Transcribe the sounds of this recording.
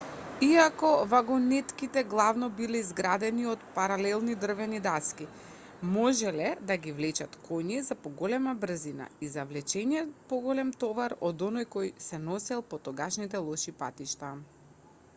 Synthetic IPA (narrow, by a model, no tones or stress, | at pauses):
iakɔvaɡɔnɛt̪kit̪ɛɡlˠavnɔbilɛizɡɾad̪ɛniɔt̪paɾalɛlˠnid̪r̩vɛnid̪aski | mɔʒɛlɛd̪aɡivlɛt͡ʃat̪kʰɔɲizapɔɡɔlɛmabr̩zina̰izavlɛt͡ʃɛniɛt̪pɔɡɔlɛmt̪ɔvaɾɔd̪ɔnɔjkɔjsɛnɔsɛlˠpɔt̪ɔɡaʃnit̪ɛlˠɔʃipa̰t̪iʃt̪a